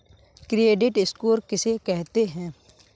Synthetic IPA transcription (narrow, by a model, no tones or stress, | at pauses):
kɾieːɖɪʈɪskoːɾkɪsekɛɦt̪eɦɛ̃ː